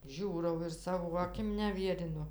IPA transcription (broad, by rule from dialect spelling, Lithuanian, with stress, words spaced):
ˈʒʲuːrɐʊ ɪr ˈsɑːʋoː ɐˈkʲɪm nʲɛˈʋʲiɛrʲɪnʊ